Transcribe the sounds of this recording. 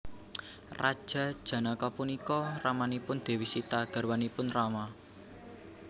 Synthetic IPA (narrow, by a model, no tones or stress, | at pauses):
rad̥ʒ̥ä̤d̥ʒ̥ä̤nakɔpunikɔramanipʊnd̪̥e̤wisit̪aɡ̥a̤rwanipʊnrama